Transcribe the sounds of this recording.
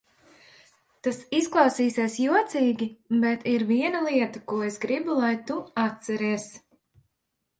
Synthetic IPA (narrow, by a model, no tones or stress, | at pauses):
t̪asisklˠɑwsiːsiɛsjuɔt̪siːɡʲibɛt̪iɾviɛnɐlˠiɛt̪ɐkuɔesɡɾibulˠajt̪uat̪sɛɾiɛs